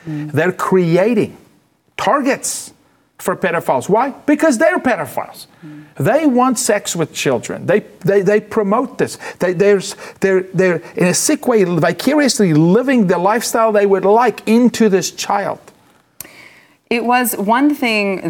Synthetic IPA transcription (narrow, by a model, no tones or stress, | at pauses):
ðə˞kʰɹ̥ieɪɾɪ̰̃ŋ | tʰɑɹɡɨts | fə˞pʰɛɾə˞faɪlˠzwaɪb̥ɨkʰʌzðə˞pɛɾə˞fa̰ɪlˠz̥ | ðeɪwɑ̃ntsɛkswɨð̥t͡ʃʰɪlˠdɹɨ̰̃nðeɪðeɪðeɪpʰɹ̥ɨmoʊt̪̚ðɪsðeɪðə˞ðə˞ðə˞ʔɨ̃nɨsɪkweɪvakʰjʊɹiɨslilɪvɪ̃ŋðəlaɪfstaɪlˠðeɪwədˡlaɪkʰɪ̃ntʰʉðɪst͡ʃʰaɪlˠd̥ | ɪt̚wʌzwʌ̃nθɪ̃ŋ